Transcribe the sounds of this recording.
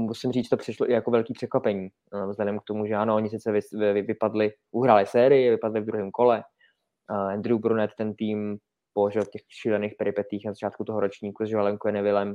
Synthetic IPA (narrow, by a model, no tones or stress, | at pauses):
musɪmrit͡ʃt̪opr̥ɪʃloʔɪjako̞vɛlkiːpr̝̥ɛkvapɛɲiː | vzlɛdɛmk̚t̪o̞muʒɛanooɲɪs̬ɪt͡sɛvɪsɪvɪpadlɪ | ʔuɦɾaːlɪsɛːɾɪjɪvɪpadlɪvd̪ɾuɦiːmko̞lɛ | ʔɛnd̪ɾɪubɾunɛt̪t̪ɛnt̪iːm | poloʒɪlcɛxʃiːlɛneːxpɛɾɪpɛt̪ɪiːxnazat͡ʃaːt̪kut̪oɦoɾo̞t͡ʃɲiːkuzʒvalɛŋkujɛnɛvɪlɛm